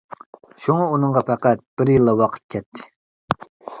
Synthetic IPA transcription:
ʃuŋɑunəŋʁɑpʰæqæt̪̚b̥ɪɾjilːɑwɑqʰə̥t̪̚kʲʰɛt̪ːɪ̥

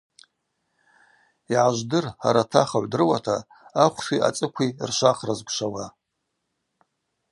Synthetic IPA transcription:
iʕaʒʷdɨrha̰ɾatʰaχaʕʷdɨrwatʰa | aχʷʰsiʔa̰t͡sʼɨkʷʰirʃʷaχrazɡʷʂawa

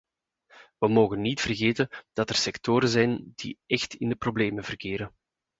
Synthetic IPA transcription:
ʋəmoːɣənːitfərɣeːtənd̥ɑtɛrsɛktoːɾənzɛjnd̥ḭʔɛxtɪndəprobleːməvərkɪːɾən

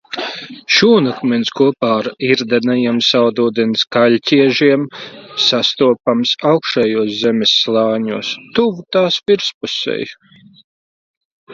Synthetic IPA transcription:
ʃuːnakmɛnskuɔpaːaɾiɾd̪anajimsawd̪uːd̪inskalʲcʲiɛʒiɛmsast̪uɔpamsawkʃɛjuɔszɛmʲɛsːlˠɑːɲṵɔːst̪uvut̪aːsviɾspusɛ̰j

